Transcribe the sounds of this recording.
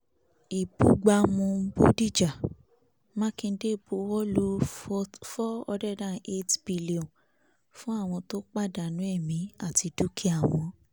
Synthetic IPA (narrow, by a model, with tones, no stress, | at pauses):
i˨bu˨ɡ͡ba˧mõ˧˦bo˦di˦˨d͡ʒa˨ | mã˦kĩ˧˦de˦˨bu˨˦wɔ˦lu˦ | fɔ˦ɔ˧dɛ˦dã˦˨e˦tb̥i˧li˦ɔ̃˨ | fũ˦a˦˨w̃ɔ̃˧to˦k͡pa˦˨da˨nũ˨˦ɛ˦˨mĩ˨˦a˦˨ti˧du˦kʰi˦a˦˨w̃ɔ̃˧